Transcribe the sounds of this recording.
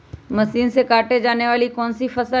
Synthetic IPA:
mɐsiːnsekaːʈed͡ʒaːneʋaːlikɔːnsifɐsə

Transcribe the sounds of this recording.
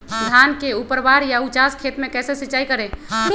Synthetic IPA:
d̪ʱankeupəɾbaɾjaut͡ʃaskʰet̪mekɛsesit͡ʃaikəɾẽ

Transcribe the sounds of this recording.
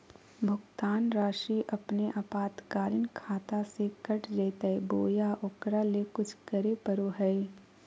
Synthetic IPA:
bʱʊɡt̪aːnɾaːʃiʔɐpneʔapaːt̪kaːɾɪnkʰaːt̪asekɐʈd͡ʒɛːt̪ɛeboːjaʔʊkɾalekʊt͡ʃʰkɐɾepəɾoɦɛe

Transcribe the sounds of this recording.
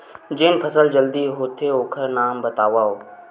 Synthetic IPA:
d͡ʒɪnpʰəsəld͡ʒəld̪iɦoːt̪ʰeoːkʰəɾnaːmbət̪aːʋaːoː

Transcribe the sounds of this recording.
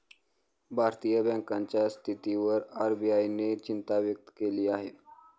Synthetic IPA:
bʱaɾt̪ijəbɛ̃ŋkaɲt͡ɕjast̪ʰit̪iʋəɾaɾbiainet͡ɕint̪aʋjək̚t̪ə̥keliːaɦe

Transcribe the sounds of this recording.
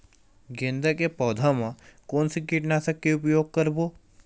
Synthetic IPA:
ɡẽnd̪əkepɔːd̪ʱamãkoːnsikiʈnasɐkːeʊpjoːɡ̚kəɾboː

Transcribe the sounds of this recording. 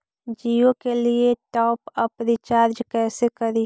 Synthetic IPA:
d͡ʒiõkelieʈɔːpɐpɾɪt͡ʃaːɾd͡ʒkɛːsekɐɾiː

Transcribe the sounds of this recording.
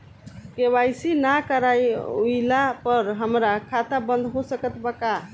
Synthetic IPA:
kebajsinakəɾajuilapəɾɦəmɾakʰat̪abə̃nd̪ʱɦosəkət̪baka

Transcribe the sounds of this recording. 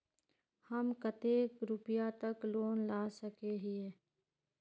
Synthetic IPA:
hɐmkət̪eːkɾʊpɪjat̪əkloːnlaːsəkeɦɪeː

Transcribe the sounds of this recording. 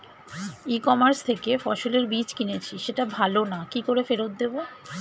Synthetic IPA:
ikɔmaɾst̪ʰekefɔʃoleɾbit͡ɕkinet͡ɕʰiʃeʈabʱalonakikoɾefeɾot̪̚d̪ebo

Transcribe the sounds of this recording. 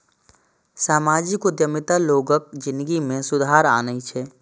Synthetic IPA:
saːmaːd͡ʒɪkod̪jəmɪt̪aloːɡək̚d͡ʒɪ̃nd̪əɡimẽsʊd̪ʱaːɾa̰ːnəit͡ʃʰɛː

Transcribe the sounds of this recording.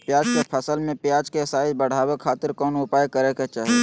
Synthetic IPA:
pjaːd͡ʒkepʰəsəlmẽpjaːd͡ʒkesaːibəɽ̤aːwekʰaːt̪ɪɾkɔːnʊpaːjkəɾeket͡ʃaːɦ

